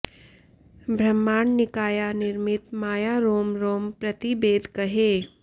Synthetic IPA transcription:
bʱɾɐmːaːɳnɪkaːjanɪɾmɪt̪maːjaɾoːmɾoːmpɾɐt̪ibeːd̪ʱkɐɦeː

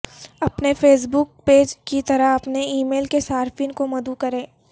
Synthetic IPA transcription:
ɐpnefʰeːs̬bʊk̚peːd͡ʒkit̪ɐɾəɦɐpneiːmeːlkesaːɾfɪnkomɐd̪ukɐɾẽː

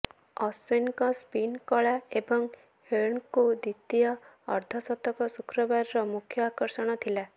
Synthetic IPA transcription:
ɔswenkɔspinkɔɭaebɔŋ | heɳkud̪it̪ijɔ̰ːɾd̪ʱɔsɔt̪ɔkɔsukɾɔbaɾiɾɔmukʰjɔakɔɾsɔɽ̃ɔt̪ʰila

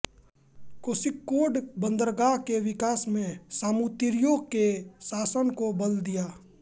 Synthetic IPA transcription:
kosɪkːoːɖbə̃nd̪əɾɡaːɦkeʋɪkaːsmẽsaːmut̪ɪɾjoːɡ̚kesaːsənkobəld̪ijaː

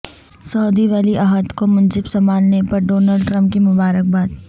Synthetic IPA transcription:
sɔːd̪iʋaːliʔaːɦət̪komɐnd͡ʒɪbsɐmaːlnepɐɾɖoːnəlɖʈɾɐ̃mp̚kimʊbaːɾək̚baːd̪

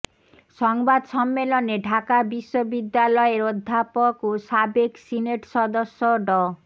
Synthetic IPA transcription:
ʃɔŋbad̪ʃɔmːeloneɖʱakabiʃːobid̪ːalɔeɾod̪ʱːapokoʃabeksineʈʃɔd̪oʃːoɖɔ

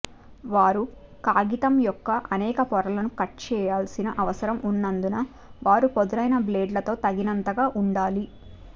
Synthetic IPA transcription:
ʋaːɾu | kaːɡit̪ɐmjɔkːɐʔɐnɛːkɐpɔɾɐlɐnukɐʈ̚t͡ʃɛːjaːlsinɐʔɐʋɐsɐɾɐmʔunːɐnd̪unɐ | ʋaːɾupod̪uɾɐjnɐbleːɖlɐt̪o̞ːt̪ɐɡinɐnt̪ɐɡaːʔuɳɖaːli

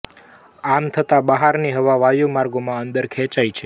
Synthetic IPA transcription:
amt̪ʰət̪abəɦaɾniɦəʋaʋajumaɾɡomãənd̪əɾkʰɛt͡ʃait͡ʃʰe

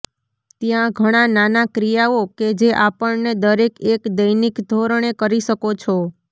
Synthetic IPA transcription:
t̪jãɡʱəɽ̃ananakɾijaoked͡ʒeʔapəɭned̪əɾekekd̪əjnikd̪ʱoɾɳ̃ekəɾiʃəkot͡ʃʰo

